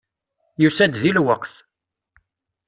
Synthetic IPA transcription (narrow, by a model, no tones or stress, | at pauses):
jusæd̪ðilwəqθ